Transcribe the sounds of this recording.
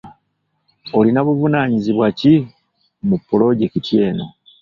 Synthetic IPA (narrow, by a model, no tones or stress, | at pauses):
olinaβuvunaːɲiziβwaci | mupːulo̞ɟekitje̞ːno̞